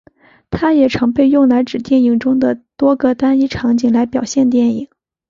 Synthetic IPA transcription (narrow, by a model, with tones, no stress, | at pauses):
t̪ʰa˥jɛ˨˩ʈ͡ʂʰɤ˧˥ŋpe˥˧ɪjʊ˥˩ŋla˧˥ɪʈ͡ʂɻ̩˨˩t̪jɛ˥˩ni˨˩ŋʈ͡ʂʊ˥ŋd̪ə˨t̪wɔ˥ɡə˨t̪a˥ni˥ʈ͡ʂʰɑ˧˥ŋt͡ɕi˨˩ŋla˧˥ɪpjɑ˨˩ʊɕjɛ˥˧nt̪jɛ˥˩ni˨˩˦ŋ